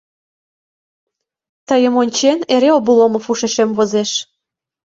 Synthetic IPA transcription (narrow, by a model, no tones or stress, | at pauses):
t̪əjə̆monʲt͡ɕeneɾeobulˠomɤ̆fuʃeʃemβozeʃ